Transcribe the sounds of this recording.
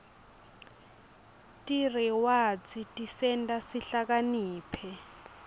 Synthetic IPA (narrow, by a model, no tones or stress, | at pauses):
tʼiriwat͡sitʼisɛndasiɬak̬ʼaniːpʰɛ